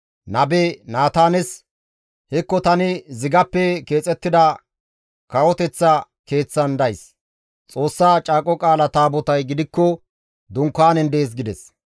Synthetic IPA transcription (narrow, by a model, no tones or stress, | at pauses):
nɐbenaːt̪aːnɛs | hɛkːɔt̪ɐnɪzɪɡɐpːɛke̞ːt͡sʼɛt̪ːɪd̪ɐ | kɐwɔt̪ɛt͡sːɐ | ke̞ːt͡sːɐnd̪ɐjs | t͡sʼo̞ːsːaːt͡ʃʼaːkʼɔkʼaːlɐt̪aːbɔt̪ɐjɡɪd̪ɪkːɔ | d̪ʊŋkːaːnɛnd̪eːs̬ɡɪd̪ɛs